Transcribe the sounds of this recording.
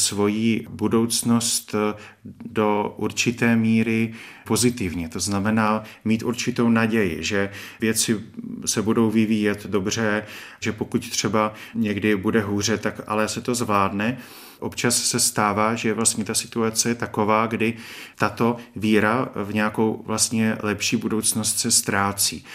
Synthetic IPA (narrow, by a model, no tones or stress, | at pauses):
svo̞jiːbudo̞wt͡sno̞st̪ | do̞ʔuɾt͡ʃɪt̪ɛːmiːɾɪ | po̞zɪt̪ɪvɲɛt̪o̞znamɛnaːmiːt̪ʔuɾt͡ʃɪt̪ownaɟɛjɪ̰ʒɛvjɛt͡sɪsɛbudo̞wvɪviːjɛt̪do̞br̝ɛ | ʒɛpo̞kuct̪r̝̥ɛbaɲɛɡdɪbudɛɦuːr̝ɛt̪akʔa̰lɛsɛt̪o̞zvlaːdnɛ | ʔo̞pt͡ʃasːɛst̪aːvaːʒɛvlast̪ɲɛt̪asɪ̥t̪uat͡sɛjɛt̪ako̞vaːɡdɪt̪at̪o̞viːɾavɲɛjako̞wvlast̪ɲɛlɛpʃiːbudo̞wt͡sno̞st̪sɛst̪ɾaːt͡sḭː